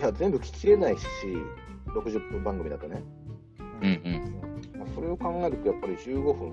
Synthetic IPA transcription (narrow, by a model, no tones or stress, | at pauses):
jazẽ̞mbɯ̟kʲi̥kʲiɾe̞naiɕiɾo̞kɯ̟ʑɨpːɯ̃mbãŋɡɯ̟mʲid̪a̰t̪one | ɯ̃ɯ̃ɴaso̞ɾe̞o̞kãŋɡaet̪et̪ojapːaɾʲiʑɨːɡo̞ɸɯ̟̃n